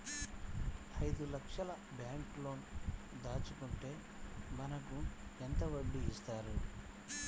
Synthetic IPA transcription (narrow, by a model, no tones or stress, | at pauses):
ɐjd̪ulɐkʂɐlɐ | bjaːŋklo̞ːn | d̪aːt͡ʃukuɳʈe̞ː | mɐnɐkuent̪ɐʋɐɖːiist̪aːɾu